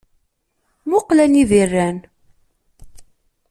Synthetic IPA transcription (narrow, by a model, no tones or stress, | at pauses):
mʊqlænivirːæn